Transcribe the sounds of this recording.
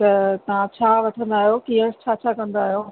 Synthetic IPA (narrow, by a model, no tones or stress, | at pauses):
t̪ɐt̪ɐʋ̤ãt͡ɕʰaːʋɐʈʰə̃nd̪aːɦjokijəɾst͡ɕʰaːt͡ɕʰakɐ̃nd̪aːɦijoː